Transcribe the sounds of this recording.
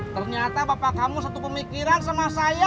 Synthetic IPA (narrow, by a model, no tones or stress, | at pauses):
t̪ərɲat̪abapakamusat̪upəmikiɾansamasaja